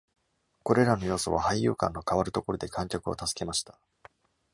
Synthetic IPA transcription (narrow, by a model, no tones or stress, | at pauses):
ko̞ɾe̞ɾano̞jo̞ːso̞̰β̞ahaijjɯ̟̰ːkã̰nːo̞kaβaɾɯ̟t̪o̞ko̞ɾo̞d̪e̞kʰãŋkʲakɯ̟o̞̰t̪asɨ̥ke̞maɕi̥t̪ḁ